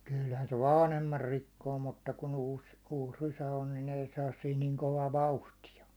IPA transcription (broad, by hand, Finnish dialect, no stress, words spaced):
kylhæn se ʋɑːnhemːɑr rikːoː mutːɑ kun uːs uːs rysæ on nin ei sɑːs siːn niŋ koʋɑː ʋɑuhtiɑ